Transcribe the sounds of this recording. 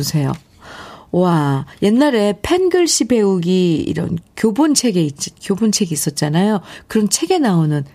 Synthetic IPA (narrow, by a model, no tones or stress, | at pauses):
usʰe̞jo̰ | oaje̞nːaɾe̞pʰe̞nɡɯɭɕ͈ibe̞uɡiḭɾʌ̰nkjobont͡ɕʰe̞ɡe̞it͡ɕ͈ikjobont͡ɕʰe̞ɡis͈ʌt̚t͡ɕ͈anajokɯɾʌnt͡ɕʰe̞ɡe̞naonɯn